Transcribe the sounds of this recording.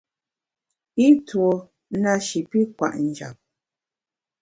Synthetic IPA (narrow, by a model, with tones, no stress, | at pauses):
i˦two˨˦ | na˦ʃi˨pi˦kwa̰˨ʔn̩˨d͡ʒa̰˨p̚